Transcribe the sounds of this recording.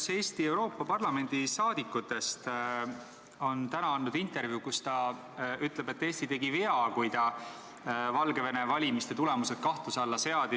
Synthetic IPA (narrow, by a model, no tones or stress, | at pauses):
se̞ːst̪ie̞wɾo̞ːpˑːɑpɑrlɑme̞nd̪̥isɑːd̪ikːˑut̪ːˑe̞st̪ | o̞nt̪ænɑɑnːud̪int̪ˑe̞rvjukust̪ɑ | yt̪ˑle̞be̞t̪ːe̞ːsʲt̪it̪e̞ɡiveɑkujt̪ɑ | vɑlɡe̞ve̞nevɑlʲimist̪e̞t̪ule̞muse̞d̪̥̚kɑht̪usɑlːɑse̞ɑd̪i